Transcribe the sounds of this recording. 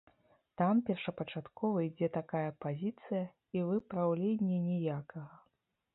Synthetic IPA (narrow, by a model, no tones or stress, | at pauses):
t̪ampʲɛrʂɐpɐt͡ʂat̪kɔvɐid͡zʲɛt̪akajɐpazʲit̪sɨjɐ | ivɨpɾawlʲenʲːɛnʲɛjakɐɣɐ